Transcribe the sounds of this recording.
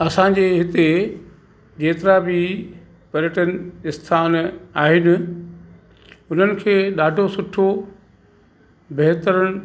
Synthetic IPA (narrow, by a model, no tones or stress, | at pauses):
ɐsã̆d͡ʑeːɦɪt̪e | d͡ʑeːt̪ɪɾabɪ | pɐɾjəʈənɪst̪ʰaːnaːɦɪnɪ̆ | ʊn̤ənɪ̆kʰeːɗaːɖʱosʊʈʰo | beɦt̪əɾəɽ̃